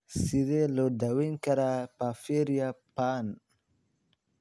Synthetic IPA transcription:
sidelodawinkaɾapafeɾjapan

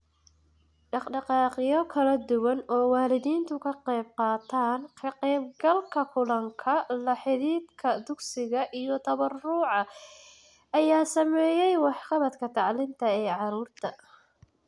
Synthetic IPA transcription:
ɖɑqɖɑqɑːqɪjɔkʰɐlɐd̪ʊwɐnɔːwɑːlɪðiːnt̪ʰʊkʰɐqɛjb̚qɑːt̪ʰaːnkʰɐqɛːb̚ɡɐlkʰɐkʰʊlɐŋkʰɐlɐħɪɾiːd̪kʰɐd̪ʊɡsɪɣɐʔijɔt̪ʰɐβɐrʊʕɑ | ɐjaːsɐmɛːjɛjwɑħqɑβɐt̪kʰɐt̪ʰɑʕlɪnt̪ʰɐɛːʕɑɾuːrt̪ʰɐ

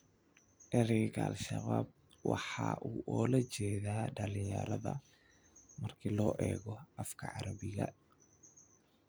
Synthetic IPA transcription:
ʔɛɾɪɣʰɐlʃɐβaːb̚ | wɑħɑ̰ːʔuːʔɔːlɐt͡ʃɛːðaːɖɐlɪjɐ̰ɾɐðɐ | mɐrkʰilɔːʔɛːɣɔʔɐfkʰɐʕɑɾɐβɪɣɐ

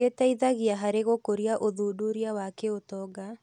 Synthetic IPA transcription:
etaiðaɣjaɦaɾeɣokoɾjaʔoðuduɾjawakeotɔɡa

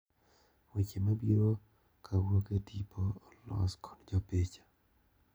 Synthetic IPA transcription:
wit͡ʃemabiɾo | kʰawokedipʰɔlɔ̰skʰɔ̥nd͡ʒɔpet͡ʃḁ

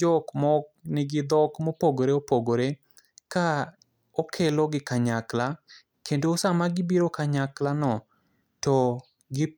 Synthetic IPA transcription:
ɔkmɔk̚nɪɡɪd̪ɔkmopoɡoɾeopoɡoɾe | ka | okʰeloɡɪkaɲakla | kendoːsamaɡɪbiɾokaɲaklanɔ | tɔ | ɡɪ

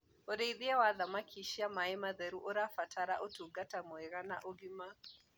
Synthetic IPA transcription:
oɾeiðiɛwaðamakʰiʃiamaemaðɛɾuʔoɾafatʰaɾa̰ʔotuɡatamɔeɾana̰ʔoɡima

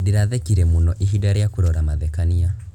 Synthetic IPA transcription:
diɾaðɛkiɾɛmunɔʔiɦiɗaɾɛjakuɾɔɾamaðɛkania

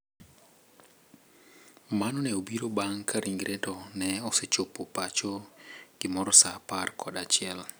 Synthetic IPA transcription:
manɔnɛobiɾobaŋkʰaɾʔiŋɡɾɛtɔnɛɔsɛt͡ʃopopat͡ʃoɡ̥imɔɾɔsaparkʰɔɗat͡ʃɪɛl

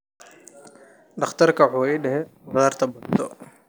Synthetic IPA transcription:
ɖɐχt̪ʰɐrkʰɐwħuːiːɖɛɦɛbɐðaːrt̪ʰɐbʊnt̪ʰɔ

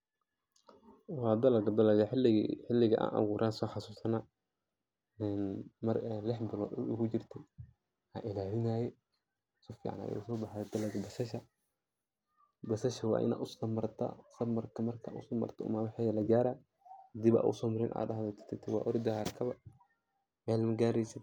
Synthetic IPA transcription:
wɑːd̪ɐlɐɡd̪ɐlɐɡɐħɪlħɪlːɪɣɐʔa̰ːnʔɐ̰ɣuːɾʔaːnsɔːħɑsuːsɐna | ɛnmɐrɛlɪħbɪlɔ̰ːd̪ṵʔʊɡʊd͡ʒɪrt̪ʰɛ | ha̰ʔɪlaːlɪnaːjɛ | sɔfḭːʕa̰nɐ̰jɛ̰ʊsɔːbɑħaɛd̪̥ɐlɐɡbɐsɐʃɐ | bɐsɐʃɐwɑ̰ːʔɪ̰na̰ːʔʊst̪ɐmɐrt̪ʰɐ̰sɐmɐrkʰɐmɐrkʰaʔʊ̰sɐmɐ̰rt̪ʰɐʊ̰mawħɛjɐlɐɡaːɾa | d̪iba̰ːʔʊ̰sɔːmɐɾɪnʔa̰ːdɐɦðɛt̪ʰɪ̥t̪ʰɪt̪ʰɛwɑ̰ːʔɔɾd̪ɐhaːɾkʰɐβɐ | mɛːlmɐɡaːɾɛjsɪ

